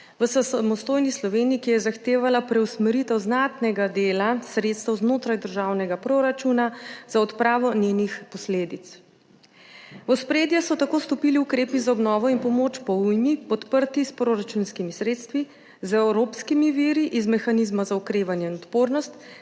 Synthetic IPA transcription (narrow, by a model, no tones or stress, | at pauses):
ʋəsasamɔst̪oːjnislɔʋeːniikijɛzaxt̪eːʋalapɾɛwsmɛɾit̪ɛwznat̪nɛɡad̪eːlasɾet̪st̪ɛwznoːt̪ɾajd̪əɾʒaːwnɛɡapɾoɾat͡ʃunazaɔt̪pɾaːʋɔnenixpɔsleːd̪it̪s | ɔspɾeːd̪jasɔt̪akoːst̪ɔpiliukɾeːpizaɔbnɔːʋɔinpɔmot͡ʃpɔujmipɔt̪pəɾt̪ispɾoɾat͡ʃunskimisɾeːt̪st̪ʋi | zɛwɾoːpskimiʋiːɾiʔizmɛxanizmazaɔkɾeːʋanjɛinɔt̪poːɾnɔst̪